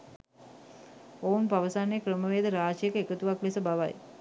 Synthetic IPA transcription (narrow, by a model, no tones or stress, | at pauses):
ounpaʋəsanːekrəməʋeːd̪əɾaːd͡ʒjekəekət̪uʋaklesəbaʋa̰j